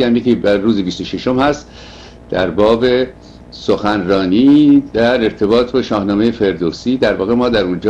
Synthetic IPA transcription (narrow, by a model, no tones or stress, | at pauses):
æmjekʲibæːuːzibist̪oʃeʃo̞mhæst̪ | d̪̥æɾbɒːbe̞ | soxænrɒːniːd̪̥æɾe̞ɾt̪ʰe̞bɒːt̪ʰbɒːʃɒːhnɒːme̞je̞fe̞ɾd̪oːsiːd̪æɾvɒːɣe̞mɒːd̪æɾund͡ʒ